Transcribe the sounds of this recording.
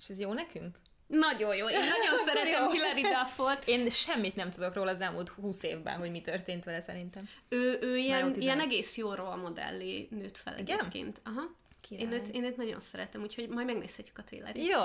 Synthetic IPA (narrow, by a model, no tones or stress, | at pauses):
eːʃɛzjoːnɛkyŋk | nɒɟo̞jjoːenɒɟo̞nssɛɾɛt̪ɛmkilːɛɾid̪afolt̪eːnʃɛmːit̪nɛmt̪ud̪o̞kroːlɒːzɛlmult̪huːsḛːvbɛ̰nɦo̞ɟmit̪ørt̪eːnt̪ʋɛlɛsɛɾint̪ɛmøːʔøːijɛnnijɛnɛɡeːsjoːrolmo̞d̪ɛ̰lːinøːt̪fɛ̰lʔɛ̰ɡepkḛːnt̪ɒɦɒ | eːnøːt̪eːnøːt̪nɒɟo̞̰nsɛɾɛt̪ɛmuːcho̞ɟmɒjmɛɡnḛːshɛcːy̥kɒt̪rḭlːɛ̰ɾijoː